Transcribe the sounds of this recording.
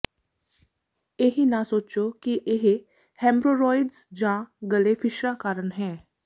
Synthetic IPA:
eɦinasoːt͡ʃoːkiʔɪɦ | hɛ̃ːmbɾoːɾɔːɪɖzd͡ʒãːɡəleːpʰɪʃɾaːkaːɾəɳɦɛ̃ː

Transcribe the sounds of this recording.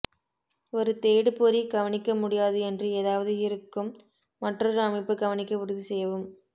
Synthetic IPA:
ɔɾɯt̪eːɽɯpoɾiɡɐʋɐnɪkːɐmʊɽɪjaːðɯɛndrɯeːðaːʋɐðɯɪɾɯkːɯmː | ɐʈrɔɾɯɐmɐɪpːɯɡɐʋɐnɪkːɐʊɾɯðisɛjːɐʋɯm

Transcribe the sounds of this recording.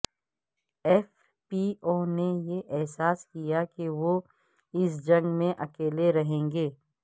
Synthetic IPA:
ɛːf | pioːnejeʔɛɦsaːskijakeʋo | ɪsd͡ʒɐ̃ŋɡmẽʔɐkeːleɾɐɦẽːŋɡeː

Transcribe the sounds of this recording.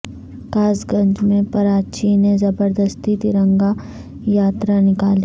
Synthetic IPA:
kaːzɡɐ̃ɲd͡ʒmẽpɐɾaːt͡ʃinezɐbəɾd̪əst̪it̪ɪɾə̃ŋɡa | jaːt̪ɾanɪkaːli

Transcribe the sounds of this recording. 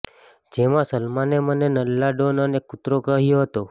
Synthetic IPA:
d͡ʒemãsəlmanemənenəlːaɖonənekʊt̪ɾokəɦjoɦət̪o

